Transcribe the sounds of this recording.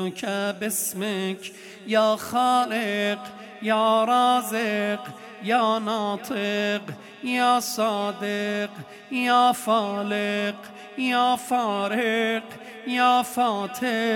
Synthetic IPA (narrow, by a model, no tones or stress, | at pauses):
kʰæbesmekʰ | jɔːxɑːleq | jɔːɾɑːzeq | jɑːnɑːt̪ʰeq | jɑɔːsɑːd̪eq | jɑɔːfɔːleq | jɔːfɔːɾeq | jɑːfɔːt̪ʰe